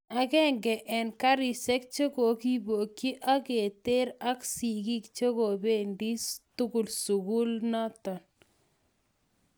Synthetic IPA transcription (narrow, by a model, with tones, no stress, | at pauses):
a˨kɛ˦ŋɡɛ˨ʔɛ˨nka˦ɾi˨sɛ˦k̚t͡ʃe˦ko˨ki˦bo˨kji˦ʔa˦ke˨te˦ɾa˦ksi˨ki˦kt͡ʃe˦ko˨be˦ndi˦stʊ˦kʊ˨lsu˨ku˦lna˦tɔ˨n